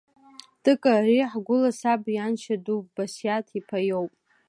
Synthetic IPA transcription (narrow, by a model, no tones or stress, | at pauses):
d̥ɨkʼariħɡʷʊlasabjanʃʰaduvbasjatʰipʰajowpʼ